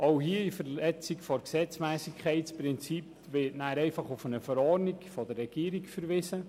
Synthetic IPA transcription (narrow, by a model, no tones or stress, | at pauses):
oʊɦiəifəɾlɛt͡sikfɔɾksɛt͡smɛːsikʰχɛɪtt͡spɾɪnt͡sip | ʋɪtnæːɾɛɪfɑχufənəfəɾɔnikfɔd̥ərːɛɡ̥iːəɾikfəɾvɪːsə